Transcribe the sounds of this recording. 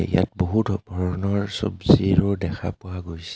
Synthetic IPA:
ḭja̰tboɦutbʱɔɹɔnɔɹso̰bziɹʊdɛkʰa̰pʊwaɡojsɛ

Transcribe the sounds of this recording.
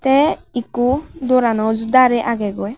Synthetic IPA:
t̪ɛikud̪oɾanɔzud̪aɾɛʔaɡɛɡɔj

